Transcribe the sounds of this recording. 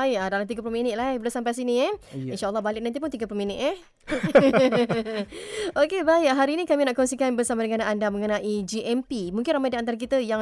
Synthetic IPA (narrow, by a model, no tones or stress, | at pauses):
aɪʔadalamt̪iɡap̬ulominɪt̪̚labəlosampajsiniinʃaʔalˠːɑɦbalɪk̚nant̪ipʊnt̪iɡapulominɪt̪̚ɛ | okebaɪɦaɾiːnikaminaʔkɔŋsikanbərsamadəŋanaandaməŋənãʔid͡ʒiʔɛmpimũŋkɪnramajdiant̪aɾak̬it̪əja